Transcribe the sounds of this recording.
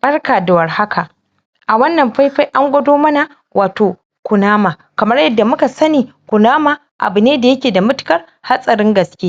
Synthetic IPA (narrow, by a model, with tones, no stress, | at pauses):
bɐ˦rkaː˨da˨wɐ˨rha˦kʰa˨ʔ | ʔa˨wɐ˦nːɐ˨mɸa˦jɸa˦jʔa˦ŋɡʷɐ˦doː˦mɐ˦na˨ | wʔaː˨toː˨ | kʷʊ˨naː˦maː˨ | kɐ˨mɐ˦rjɐ˦dːa˨mʊ˦ka˨sɐ˦niː˨kʷʊ˨naː˦ma˨ | ʔa̰˨bʊ˨neː˦da˨jɐ˦kʲeː˨da˨mʊ˦tʊ̥˦kɐ˦r | ha˦sʼɐ˨ɾɪ˦ŋɡɐ˨skʲeː˦